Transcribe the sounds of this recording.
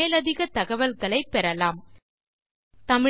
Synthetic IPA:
eːlɐðɪɣɐt̪ɐɣɐʋɐlɣɐɭɐɪpːɛɾɐlaːm | t̪ɐmɪ

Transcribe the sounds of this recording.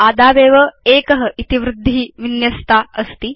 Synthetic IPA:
aːd̪aːbeːʋɐeːkəɦəʔit̪iʋɾud̪ʱːiːʋinjɐst̪aəst̪i

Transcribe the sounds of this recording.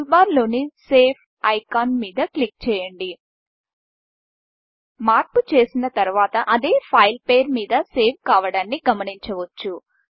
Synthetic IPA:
baːɾlo̞ːniseːpʰ | ɐjkaːnmiːd̪ɐklik̚t͡ʃɛːjɐɳɖi | maːɾput͡ʃe̞ːsinɐt̪ɐɾuʋaːt̪ɐʔɐd̪eːpʰɐjlpe̞ːɾmiːd̪ɐse̞ːʋkaːʋɐɽaːnːiɡɐmɐniɲt͡ʃɐʋɐt͡ʃːu

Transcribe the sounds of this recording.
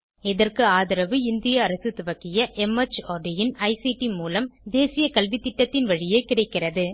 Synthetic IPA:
ɛðɐrkɯaːðɐɾɐʋɯɪnd̪ɪjɐːɾɐsɯt̪ʊʋɐkːɪjɐʔɛmɐt͡ʃːoːɖɪjɪnɐɪsiʈimuːlɐmd̪eːsɪjɐkɐlʋit̪ːɪʈːɐt̪ːɪnʋɐɻɪjeɪkɪɽɐɪkːɪrɐðɯ

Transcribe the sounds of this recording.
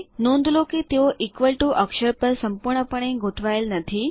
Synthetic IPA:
nõnd̪loket̪joʔikʋəlʈuʔəkʃəɾpəɾsəmpuɾɳəpəɽ̃ẽɡʱot̪ʰʋajlnət̪ʰi

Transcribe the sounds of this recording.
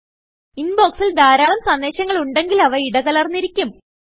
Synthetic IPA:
inbo̞ːksild̪aːɾaːlɐmsɐnːeːɕɐŋːɐɭuɳɖe̞ŋɡilɐʋɐiɽɐɣɐlɐrnːiɾikʲːum

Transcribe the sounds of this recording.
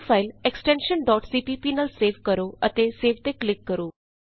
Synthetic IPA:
fʰaːɪlɛksʈɛ̃ːnʃənɖɔːʈsiːpiːpiːnalseːʋkəɾoːət̪eːseːʋt̪eːklɪkːəɾoː

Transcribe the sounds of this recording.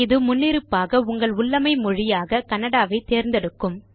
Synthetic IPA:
ɪðɯmʊnːɪɾɯpːaːɣɐʊŋɡɐɭʊɭːɐmɐɪmɔɻɪjaːɣɐkɐnɐɽaːʋɐɪt̪eːɾnd̪ɛɽɯkːɯm

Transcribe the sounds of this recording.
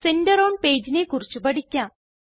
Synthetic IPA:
sendɐɾoːɳɖpe̞ːd͡ʑinekurit͡ɕːupɐɽikʲːaːm

